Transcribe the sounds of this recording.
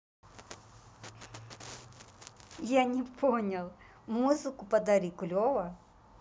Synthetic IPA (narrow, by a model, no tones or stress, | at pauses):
janʲɛpʰɔnʲɐlˠ | muzɨkʊpɐd̪ɐɾikʊlʲɔʋɐ